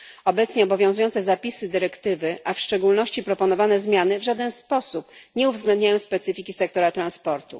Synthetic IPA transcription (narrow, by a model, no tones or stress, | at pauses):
ɔbɛt̪sɲɛɔbɔvʲjɔ̃zujɔnt̪sɛzapʲisɘd̪ɘɾɛkt̪ɘvɘʔafʂt͡ʂɛɡulnɔɕt͡ɕipɾɔpɔnɔvanɛzmʲjanɘvʐad̪ɛnspɔsupɲɛuvzɡlɛ̃nd̪ɲajɔ̃w̃spɛt̪sɘfʲikʲisɛk̚t̪ɔɾat̪ɾanspɔɾt̪ṵ